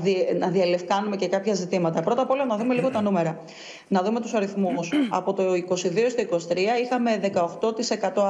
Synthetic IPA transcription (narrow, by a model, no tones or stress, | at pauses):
nɐðiɐle̞fkɐnume̞ce̞kɐpçɐzit̪imɐt̪ɐpɾo̞t̪ɐpo̞lɐnɐðume̞liɣo̞t̪ɐnume̞ɾɐ | nɐðume̞t̪usɐɾiθmusɐ̰po̞t̪oiko̞siðiost̪oiko̞si̥t̪ɾiɐixɐme̞ðe̞kɐo̞xt̪o̞t̪ise̞kɐt̪o̞